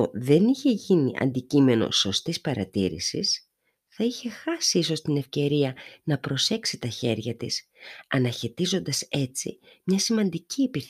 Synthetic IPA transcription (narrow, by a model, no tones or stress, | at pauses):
oðe̞niçe̞ʝiniʔɐ̰nd̪icime̞no̞̰so̞st̪ispɐɾɐ̰t̪ḭɾḭsḭs | θɐiçe̞xɐsiiso̞st̪ine̞fce̞ɾiɐnɐpɾo̞se̞ksit̪ɐçe̞ɾʝɐt̪isɐnɐçe̞t̪izo̞nd̪ɐse̞t͡sḭmɲɐsimɐnd̪iciepiθ